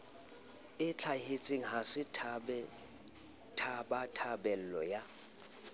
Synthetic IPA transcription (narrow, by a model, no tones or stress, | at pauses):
ɪt͡ɬʰahet͡sʼɪŋ̩ɦasɪtʰbɛ | tʰabatʰabɛl̩lɔ̰ja